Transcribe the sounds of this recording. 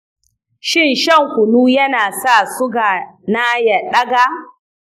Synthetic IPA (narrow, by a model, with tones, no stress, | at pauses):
ʃɪ˦˨nʃɐ˦˨ŋkʷʊ˨nuː˦jɐ˦naː˨sa˦˨sʊ˦ɡaː˨na˦ja˨ɗɐ˦ɡaː˦